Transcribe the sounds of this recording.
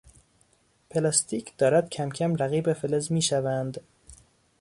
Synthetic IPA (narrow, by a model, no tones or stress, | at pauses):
pʰelɑst̪ʰiːcʰd̪̥ɒːɾæd̪̚cʲʰæmcʰæmɾæɣiːbefelezmiːʃævænd̪